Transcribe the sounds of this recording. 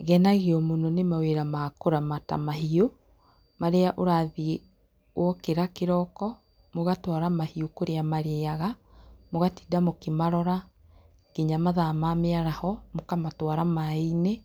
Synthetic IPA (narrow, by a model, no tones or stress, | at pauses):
ɣɛnaɣeɔmononemaweɾamakoɾamata̰maɦio | maɾeaʔoɾaði | wɔkeɾakeɾɔkɔ | moɣatwaɾamahiokoɾeamaɾeaɣa | moɣatidamokemaɾɔɾa | ɡ̥iɲamaðamameaɾahɔmokamatwaɾamaine